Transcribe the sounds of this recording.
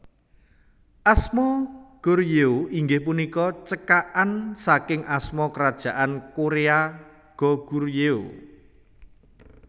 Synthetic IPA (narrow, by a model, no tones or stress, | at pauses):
ʔasmɔɡ̥orjeoiŋɡɪhpunikɔt͡ʃəkaʔansakɪŋasmɔkəɾad̥ʒ̥a̤ʔankoɾea | ɡ̥ɔ̤ɡ̥urjeo